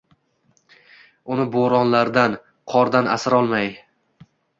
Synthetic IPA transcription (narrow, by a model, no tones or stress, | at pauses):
ʊnɪboɾɒnlaɾd̪an | qʰɒɾd̪ana̰sɪɾɒlˠmaj